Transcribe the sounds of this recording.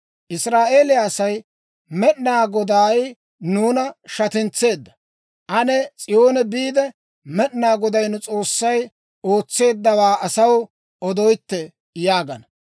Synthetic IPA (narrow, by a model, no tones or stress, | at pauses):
ʔɪsɾaːʔe̞ːlɪaːsɐj | mɛɗnaːɡɔd̪aːj | nuːnɐʃɐt̪ɪnt͡sːe̞ːd̪ːɐ̥ | ʔɐnɛt͡sʼɪjo̞ːnɛbiːd̪ɛ | mɛɗnaːɡɔd̪ɐjnʊt͡sʼo̞ːsːɐj | o̞ːt͡sːe̞ːd̪ːɐwaːʔɐsɐw | ɔd̪ɔjt̪ːɛ | jaːɡɐnɐ